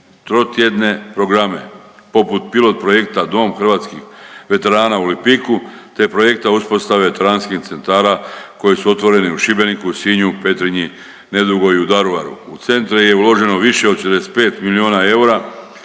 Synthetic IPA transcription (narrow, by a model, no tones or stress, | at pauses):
t̪ɾo̞t̪je̞d̪ne̞pɾo̞ɡɾame̞̰po̞put̪pilo̞t̪̚pɾo̞je̞kt̪ad̪o̞mxr̩ʋaːt̪skixʋe̞t̪e̞ɾaːnauolimpiku | t̪epɾo̞je̞k̚t̪auspo̞st̪aʋeʋe̞t̪e̞ɾaːnskixt̪se̞nt̪aːɾako̞jesuo̞t̪ʋo̞ɾe̞niuʃibe̞nikusiɲupe̞t̪ɾiɲi | ne̞d̪uɡo̞iud̪aɾuʋaɾṵut̪se̞nt̪ɾije̞ulo̞ʒe̞no̞ʋiʃe̞od̪ʃed̪espe̞ːt̪milio̞ːnae̞uɾa